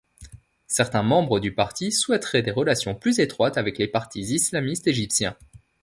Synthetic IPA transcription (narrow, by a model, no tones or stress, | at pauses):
sɛʁt̪ɛ̃mɑ̃bʁəd̪ypaʁt̪iswɛt̪χɛd̪eʁəlasjɔ̃plyzet̪χwat̪avɛklepaʁt̪ʰizislamist̪eʒipsjɛ̃